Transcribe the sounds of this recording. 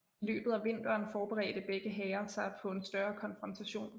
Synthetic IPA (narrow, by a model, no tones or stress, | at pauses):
lø̰ːb̥ð̞̩ˠæʋe̝n̰d̥ɐːnfɒːb̥eʁɛ̰ːd̥əb̥eɡ̥əɦɛːɐsɑ̈ɪpʰɒ̽e̝nsd̥ɶːɐkʰɒ̽nfʁɒ̽nt͡sʰæɕo̝̰ːn